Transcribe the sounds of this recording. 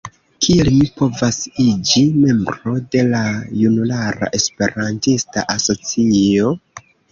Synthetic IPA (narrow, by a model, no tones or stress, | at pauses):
kʰielmipo̞vasid͡ʒime̞mbɾo̞de̞lajunulaɾa̰ʔe̞spe̞ɾantista̰ʔaso̞t͡sio̞